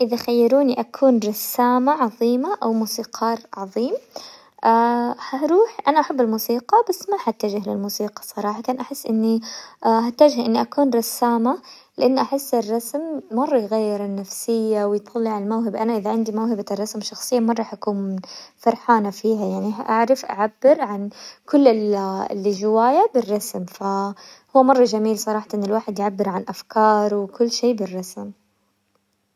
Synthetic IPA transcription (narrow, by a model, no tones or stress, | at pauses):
ʔɪðaxajːɑɾuːniʔakʰuːnɾˤɑsːaːmaʕɑðˤiːmaʔawmuːsiːqʰɑːɾˤʕɑðˤiːm | ʔahaʔɾuːħʔanaʔaħabːɪlmuːsiːqɑbasːmaħat̪ːad͡ʒɪhlɪ̰lmuːsiːqɑ̥sˤɑɾˤɑːħɑt̪ɑnʔaħɪsːʔɪnːihat̪ːad͡ʒɪhʔɪnːiʔakuːnɾˤɑsːaːma | lɪʔanːʔaħɪsːɪrˤːɑsmːɑrˤːɑjɣajːɪɾɪnːafsɪjːawɪjt̪ˤːɑlːiʕallmawɦɪbʔanaʔɪðaʕɪnd̪imawhɪbarˤːɑsmʃɑxsˤɨjːamɑrˤːɑːħʔakuːnfɑɾˤħaːnafiːɦajaʕniʔaʕɾɪfʔa̰ʕabːɪɾʕankʊlːɪl̰lʒɪwaːjabɪrˤːɑsmfahʊwːamɑrˤːɑʒamiːlsˤɑɾˤɑːħt̪ʔɪnːɪlwaːħɪd̪jʕabːɪɾʕanʔafkɑːɾˤwɪkʊlːʃeːbɪrˤːɑsm